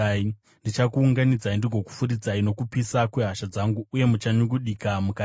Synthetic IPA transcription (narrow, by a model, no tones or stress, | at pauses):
i | ndit͡ʃakuːŋɡanid͡zaindiɡʱo̞ku̥furid͡zaino̞kupisakweɦaʃad͡zaŋɡuːje̞mut͡ʃaɲuɡuɗikamuka